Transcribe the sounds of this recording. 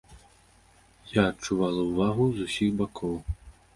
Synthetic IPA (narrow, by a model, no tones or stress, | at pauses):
jaːtt͡ʂuvalˠɐwvaɣuzusʲixbakʰɔw